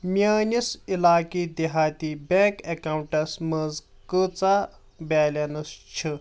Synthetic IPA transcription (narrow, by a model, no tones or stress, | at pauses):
manisilaːkid̪eɦat̪ibɛ̃kɛkawuɳʈasməd͡z | kət͡sa | balʲanɐst͡ʃʰi